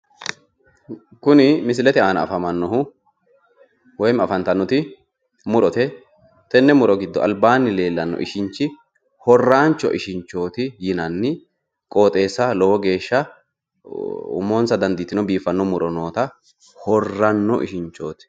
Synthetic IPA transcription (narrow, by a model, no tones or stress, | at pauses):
kʊnɪmɪs̬ɪlɛt̪ɛaːnɐ̰ːfɐmɐnːɔhʊ | wɔjmɐfɐnt̪ɐnːɔt̪ɪ | mʊɾɔt̪ɛ | t̪ɛnːɛmʊɾɔɡɪd̪ːɔɐ̰lbaːnːɪle̞ːlːɐnːɔ̰ʔɪ̰ʃɪɲt͡ʃːɪ | hɔrːaːnt͡ʃːɔ̰ʔɪʃɪnt͡ʃːo̞ːt̪ɪjɪnɐnːɪ | kʼo̞ːt̪ʼe̞ːsːɐlɔwɔɡe̞ːʃːɐ | ʊ̰moːnsɐd̪ɐnd̪it̪ːɪnɔbiːfɐnːɔmʊɾɔno̞ːt̪ɐ | hɔrːɐnːɔ̰ʔɪ̰ʃɪɲt͡ʃːo̞̰ːt̪ɪ̥